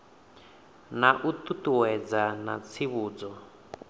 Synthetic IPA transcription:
naʔut̪ut̪uwɛd͡zana̰t͡sʰiβuːd͡zɔ

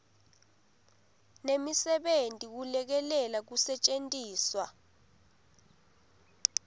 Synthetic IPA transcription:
nemisɛɓentʼik̬ulɛk̬ɛlɛlak̬usɛt͡ʃʼentʼiːswa

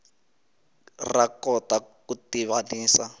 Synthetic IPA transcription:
rakɔtakutiβaniːsa

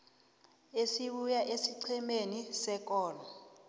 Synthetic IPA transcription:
esiɓujaʔesiǀʰimenisɛk̬ʼɔːlɔ

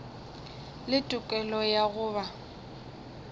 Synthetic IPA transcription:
lɪtʼʊkʼɛlɔjaɣʊːβa

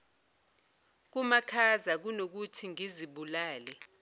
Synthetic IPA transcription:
k̬umakʰazak̬unok̬utʰiŋiziɓulaːlɛ

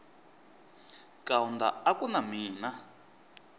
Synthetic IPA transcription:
kʼaunda̰akunamiːna

